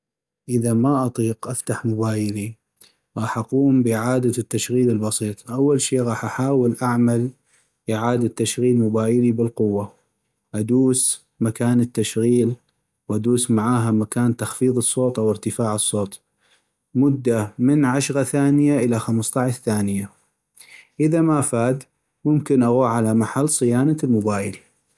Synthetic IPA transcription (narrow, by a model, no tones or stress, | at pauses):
ʔɪðamaʔɑt̪ˤiːqʔaft̪aħmʊbaːjɪli | ɣɑːħʔaquːmbɪʕaːd̪at̪ːaʃɣiːlɪlbɑsˤiːt̪ˤʔawːalʃeːɣɑːħʔaħaːwɪlʔaʕmal | ʔɪʕaːd̪at̪ːaʃɣiːlmʊbaːjɪlibɪlqʊwːa | ʔad̪uːs | makaːnɪt̪ːaʃɣiːl | wʔad̪uːsmaʕaːɦamakaːnt̪ɑxfiːðˤɨsˤːoːt̪ˤʔawɪɾt̪ɪfaːʕɨsˤːoːt̪ˤ | mʊd̪ːamɪnʕaʃɣaθaːnɪjaʔɪlaxamst̪ˤɑʕʃθaːnɪja | ʔɪðamafaːd̪ | mʊmkɪnʔaɣuːʕalamaħalːsˤɨjaːnalmʊbaːjɪl